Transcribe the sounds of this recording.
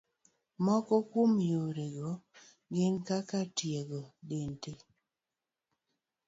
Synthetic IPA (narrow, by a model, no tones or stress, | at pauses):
mɔkɔkwomjoɾeɡɔ | ɡɪnkakatjeɡɔdente